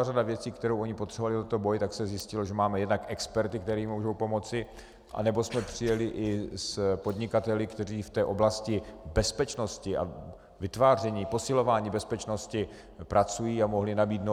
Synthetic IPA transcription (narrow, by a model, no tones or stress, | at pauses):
aradavjɛt͡siːkt̪ɛɾowʔo̞ɲɪpot̪r̥ɛbvalɪt̪t̪ot̪obojt̪aksɛzjɪscɪloʒɛmaːmɛjɛdnakʔɛkspɛɾt̪ɪk̚t̪ɛɾiːmuːʒowpo̞mo̞t͡sɪ | ʔa̰nɛbo̞smɛpr̥ɪjɛlɪʔɪspod̪ɲɪkat̪ɛlɪkt̪ɛriːft̪ɛːʔo̞blascɪbɛspɛt͡ʃno̞scɪʔa̰ | vɪt̪vaːr̝ɛɲiːpo̞sɪlo̞vaːɲiːbɛspɛt͡ʃno̞scɪ | pɾat͡sujiːamo̞ɦlɪnabiːd̪no